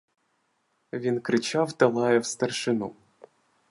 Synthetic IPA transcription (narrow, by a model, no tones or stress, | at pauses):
ʋʲinkɾɪt͡ʃawt̪ɛlˠɑjɛwst̪ɐrʃɪnu